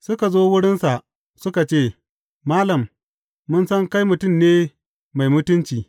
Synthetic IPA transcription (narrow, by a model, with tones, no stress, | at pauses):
sʊ˦ka˨zoː˦wʊ˦ɽɪ˦nsa˨ʔ | sʊ˦ka˨t͡ʃeː˦˨ | maː˦lɐ˨mː | ʊ˦nsɐ˦ŋka˦jmʊ˨tʊ˦˨mneː˦ | ma˨jmʊ˦tʊ˦nt͡ʃiː˨